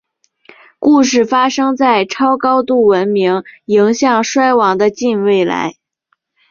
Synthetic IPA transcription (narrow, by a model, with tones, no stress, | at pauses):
ku˥˧ʂ̬ɻ̩˥˩fa˥ʂɤ˥ŋt͡sa˥˩ɪʈ͡ʂʰɑ˥ʊkɑ˥ʊt̪u˥˩wə˧˥nmi˧˥ŋi˧˥ŋɕjɑ˥˩ŋʂwa˥ɪwɑ˧˥ŋd̪ə˧t͡ɕi˥˧nwe˥˩ɪla̰˧˥ɪ